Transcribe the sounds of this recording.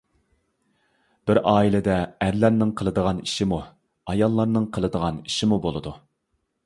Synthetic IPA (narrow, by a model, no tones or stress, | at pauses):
b̥ɪɾɑːilɪd̪ɛæɾlæɾnɪŋqʰəlˠɨd̪əʁɑniʃimu | ɑjɑlˠːɑɾnɨŋqʰəlˠɨd̪əʁɑniʃimubolˠɨd̪u